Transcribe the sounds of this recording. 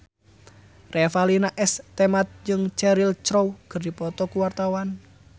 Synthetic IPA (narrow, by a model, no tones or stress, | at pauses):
refalinaʔɛst̪emat̪̚d͡ʒɨŋt͡ʃɛɾilt͡ʃɾowkərdipɔt̪ɔkuwart̪awan